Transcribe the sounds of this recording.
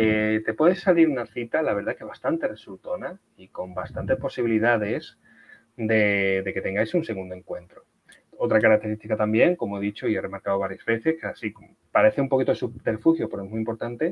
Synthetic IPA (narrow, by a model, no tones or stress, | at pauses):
et̪e̞pwe̞ðesaliɾunaθit̪alaβ̞eɾð̞ake̞β̞ast̪ant̪e̞result̪o̞na | iko̞mbast̪ant̪e̞spo̞siβ̞iliðaðe̞s | d̪e̞d̪e̞ke̞t̪e̞ŋɡajsunse̞ɣũnd̪oe̞ŋkwe̞nt̪ɾo | o̞t̪ɾakaɾak̚t̪e̞ɾist̪ikat̪ambje̞ŋko̞moeðit͡ʃo̞iere̞maɾkaoβaɾjazβe̞θe̞skasi | paɾe̞θeumpo̞kit̪oesupeɾfuxjopeɾoemuimpo̞ɾt̪ant̪e̞